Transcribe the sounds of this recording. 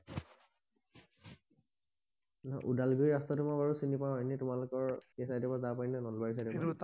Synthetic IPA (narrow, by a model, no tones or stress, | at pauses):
na̰ʔudalɡojastɔtumabaɹusinipãenitʊmalʊkɔɹkɛsajdipazapajnɛnɔlbabisadɛ